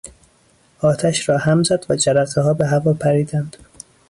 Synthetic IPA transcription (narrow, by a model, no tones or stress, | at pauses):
ʔɒːt̪ʰæʃɾɒːhæmzæd̪væd͡ʒæɾæt̪eɦɒːbeɦævɒːpʰæɾiːd̪ænd̪̥